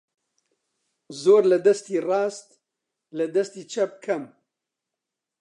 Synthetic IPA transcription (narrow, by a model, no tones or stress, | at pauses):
zoːɾlɐd̪ɐst̪iːrɑːst̪ | lɐd̪ɐst̪iːt͡ʃʰɐp̚kʰɐm